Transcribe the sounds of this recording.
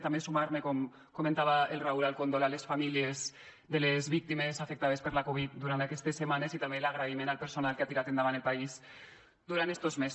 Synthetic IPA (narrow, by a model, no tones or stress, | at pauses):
t̪ambesumaɾmekɔm | komẽnt̪aβaelraulalkond̪olalesfamiliez | ðelezβik̚t̪imezafek̚t̪að̞espeɾlakoβ̞it̪̚d̪uɾant̪akɛst̪esːemanezit̪ambelaɣ̞ɾaimenalpeɾsonalkeat̪iɾat̪end̪aβanelpaiz | d̪uɾant̪est̪ozmes